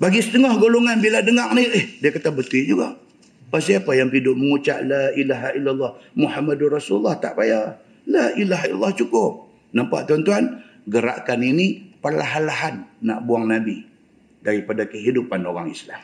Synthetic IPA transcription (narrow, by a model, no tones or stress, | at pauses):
baɡisə̥t̪əŋɔhɡoloŋanbiladəŋaʔ̚niəhdiakat̪abət̪ɪd͡ʒuɡaʔ | pasiapajaŋpidʊʔməŋut͡ʃa̰ʔlaʔilaɦaʔilːalːɑhmuhamadurɑsululːɑht̪a̰ʔbaja | laʔilaɦaila̰lːɑht͡ʃukʊp̚ | nampa̰ʔt̪ant̪uan | ɡəɾa̰ʔkaninipərlaɦanlaɦanːa̰ʔbuaŋnabi | daɾipadakəɦidupanoɾaŋislam